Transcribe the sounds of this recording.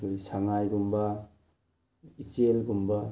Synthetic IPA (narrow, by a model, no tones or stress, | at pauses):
ojsaŋajɡumba | it͡ʃelɡumba